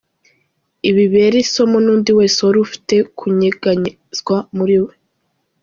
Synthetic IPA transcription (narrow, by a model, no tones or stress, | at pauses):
iβiβeɾiso̞monuːndiweːsoɾufi̥te̞kʰuɲiɡaɲi | z̥ɡwamuɾiwe